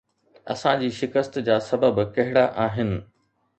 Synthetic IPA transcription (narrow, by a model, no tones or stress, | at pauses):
ɐ̰sãd͡ʑiːʃɪkəst̪d͡ʑaːsɐbəbkɐɦɪɽaʔaːɦɪnɪ̆